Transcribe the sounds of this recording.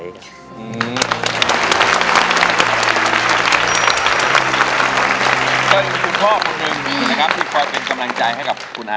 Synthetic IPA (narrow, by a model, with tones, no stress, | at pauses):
ʔɯː˧˩˧ | a˧˩˧ | kɔː˥˩jku˧ŋkʰɔː˥˩kʰo˧nːi˧ŋʰ˥˩na˦˧kʰa˦˥p̚t̪ʰiː˧˥˩kʰɔː˧jpe˧nka˧mla˧ŋt͡ɕa˧jha˥˩jka˨˩p̚kʰu˧nʔa˦˧